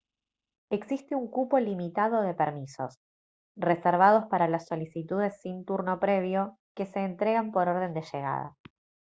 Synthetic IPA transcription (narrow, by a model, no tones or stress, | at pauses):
eksist̪euŋkupo̞limit̪að̞o̞ðe̞peɾmiso̞̰s | reseɾβ̞að̞o̞spaɾalasːo̞lisit̪uð̞e̞sːint̪uɾno̞pɾe̞β̞jo̞ | ke̞se̞ːnt̪ɾe̞ɣampo̞ɾo̞ɾð̞e̞nd̪eʃeɣ̞a̰ð̞a̰